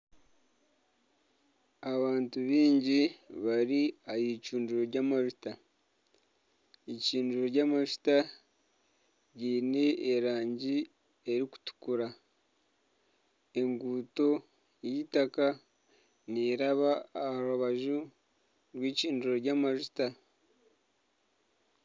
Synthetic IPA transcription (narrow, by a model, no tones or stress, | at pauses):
aβaːntuβiːɲɟiβaɾiajicuːnduɾoɾɟamaʒuta | iciːnduɾoɾɟamaʒu̥ta | ɟiːneːɾaːɲɟi | e̞ɾiku̥tu̥kuɾa | e̞ŋɡuːto̞ | jitaka | niːɾaβaːaɾuβaʒu | ɾwiːciːnduɾoɾɟamaʒuta